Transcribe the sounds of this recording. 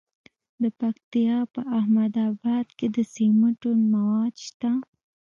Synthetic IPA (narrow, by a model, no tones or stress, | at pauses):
d̪əpakt̪ijɑpəahmad̪ɑbɑd̪ked̪əseməʈomawɑd̪ʃt̪a